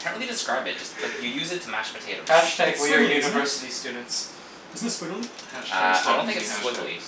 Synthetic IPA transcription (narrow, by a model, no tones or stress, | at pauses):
kʰæ̃nʔɹilˠidɨskɹaɪbɨt̚d̥ʒ̥ʌstl̥akjɨjʉzɨtʰəmæ̰t͡ʃpɨtʰeɪɾoʊæaɪkəjʉnɨvɜ˞sɨɾistʉdⁿn̩ts | b̥ɪznsfuɾl̩ˠʌaɪdõʊ̃nθɪ̃kɪswʊdlḭ̥